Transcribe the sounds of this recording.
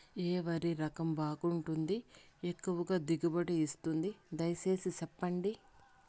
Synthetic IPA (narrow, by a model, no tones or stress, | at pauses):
eːʋɐɾiɾɐkɐmbaːkuɳʈund̪iekːuʋɐɡaːd̪iɡɐbɐʈeist̪und̪id̪ɐjse̞ːsit͡ʃɐpːɐɳɖi